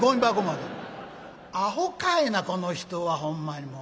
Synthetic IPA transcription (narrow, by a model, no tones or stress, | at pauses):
ɡoɲʲibaɡomad̪e | aɦokainakonoçi̥t̪oβahõmːaɲimo